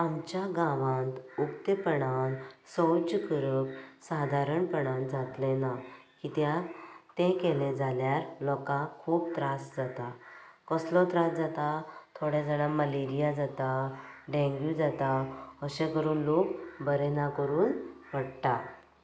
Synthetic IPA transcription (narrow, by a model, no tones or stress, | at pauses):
amt͡ɕjaɡãʋãnt̪ukt̪əpəɳansɔwd͡ʑkəɾəp̚sad̪ʱaɾəɳpəɳãnd͡zʱat̪lẽnakit̪jat̪ẽkeled͡zʱaljaɾlɔkãkʰuːbt̪ɾasd͡zat̪akəslɔt̪ɾasd͡zat̪at̪ʰoɽjad͡zalaməleɾijad͡zat̪aɖẽŋɡjud͡zat̪aəɕẽkəɾuːnlokbəɾɛnakəɾuːnʋəɽʈ̪a